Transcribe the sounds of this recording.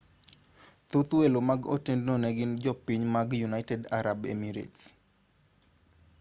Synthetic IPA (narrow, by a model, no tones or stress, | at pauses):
t̪ʊt̪welomaɡo̰tendnonɛɡɪnd͡ʒɔpiɲmaɡjunaɪtɛda̰ɾabḛmiɾḛts